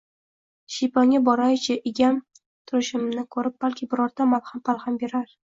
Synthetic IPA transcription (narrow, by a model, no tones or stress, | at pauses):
ʃijpʰaŋʲabɒɾajt͡ʃʰɪʔɪɡʲam | t̪ʰʊɾɪʃɪmnɪkʰɵɾɪp̚b̥alkʲʰɪbɪɾɒɾd̪amalˠhampalˠhambe̞ɾaɾ